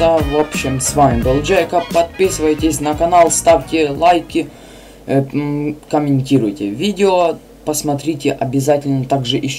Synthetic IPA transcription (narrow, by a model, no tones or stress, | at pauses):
ɐvopɕːɪmsvamʲɪb̪ɐlˠd͡ʒɛjkəpɐt̪̚pʲisɨvəjtʲɪsʲnɐkɐnalˠst̪afʲtʲɪlˠajkʲɪ | kəmʲɪnʲtʲiɾʊjtʲɪvʲidʲɪo | pəsmɐt̪ɾʲitʲɪʔɐbʲɪzatʲɪlʲnət̪aɡʐɨʔɪ